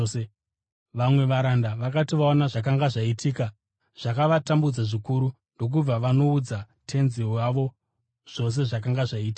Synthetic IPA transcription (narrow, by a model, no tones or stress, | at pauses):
e | ʋamwe̞ʋaɾandaʋakatiʋaonaʐak̬aŋɡaʐaitʰiːka | ʐ̥akaʋatambud͡zaʐikuɾu | ndo̞k̬ub͡vaʋano̞ud͡za | tʰe̞nzioaʋo̞ | ʐ̥o̞s̬e̞ʐak̬aŋɡaʐaiːti̥ka